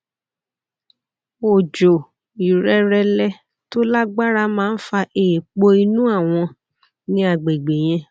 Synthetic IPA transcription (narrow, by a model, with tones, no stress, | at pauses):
o˨d͡ʒo˨ | i˨ɾɛ˧ɾɛ˧lɛ˧ | to˦la˦ɡ͡ba˦ɾa˦mãː˦n̩˦fa˧ʔe˨k͡po˧i˧nũ˦a˦˨w̃ɔ̃˧ | nĩ˦a˧˨ɡ͡be˨ɡ͡be˨j̃ɛ̃˧˦